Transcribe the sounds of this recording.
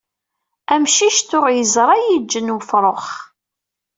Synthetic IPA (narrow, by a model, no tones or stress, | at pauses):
æmʃiʃt̪ʊɾjəzɾˤɑjid͡ʒːənwəfɾˤoχ